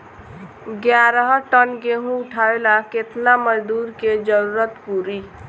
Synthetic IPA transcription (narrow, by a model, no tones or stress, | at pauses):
ɡjaɾəɦʈənɡeɦũʊʈʰaelaket̪naməd͡ʒd̪uːɾked͡ʒəɾuːɾət̪puɾi